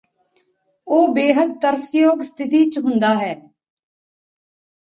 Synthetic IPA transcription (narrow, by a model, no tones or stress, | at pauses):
oːbeːɦəd̪̚t̪əɾsjoːɡst̪ʰɪt̪iːt͡ʃɦʊ̃nd̪aːɦɛː